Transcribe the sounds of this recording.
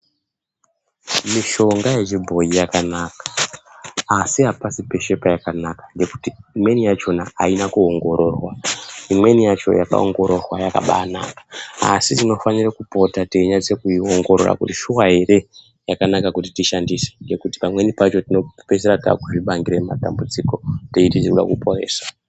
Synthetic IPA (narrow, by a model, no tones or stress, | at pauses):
miʃo̞ŋɡaje̞ʐibʱo̞ijakanakḁː | siɦapasipe̞ʃe̞pajakanakḁŋɡe̞ku̥tiːmwe̞nijat͡ʃo̞naːinakuoŋɡo̞ɾo̞rwaimwe̞nijat͡ʃo̞̰jaka̰o̞̰ŋɡo̞ɾo̞rwajaka̰ɓa̰na̰ːkḁa̰sitino̞fanirakupo̞tateiɲat͡sekuioŋɡo̞ɾo̰ra̰kutiʃuwaɦe̞ɾe̞ | jakanakakutitiʃandise̥ŋɡe̞kuti̥pamwe̞nipat͡ʃo̞tino̞pe̞seɾata̰kuʐiɓaŋɡiɾematambud͡ziko̞teititiruɗa̰kupo̞ɾḛːsḁ